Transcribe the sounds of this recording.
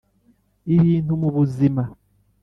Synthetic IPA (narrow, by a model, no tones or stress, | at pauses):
iβiːntumuβuzima